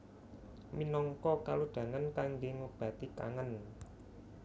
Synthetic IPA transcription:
minɔŋkɔkaloɖ̪̥ä̤ŋankaŋɡeŋob̥ä̤t̪ika̰ŋən

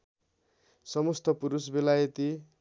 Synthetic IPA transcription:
sʌmust̪ʌpuɾusbelajʌt̪i

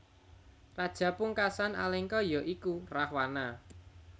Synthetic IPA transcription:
rad̥ʒ̥ä̤puŋkasana̰lɛŋkɔjɔʔikurahwana

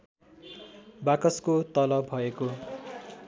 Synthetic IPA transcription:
bakʌskot̪ʌlʌbʱʌeko

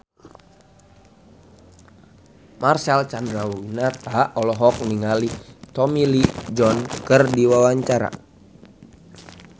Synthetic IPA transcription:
marsalt͡ʃandɾauwinat̪aɔlɔɦɔk̚niŋalit̪ɔmilid͡ʒɔnkərdiwawaɲt͡ʃaɾa̰

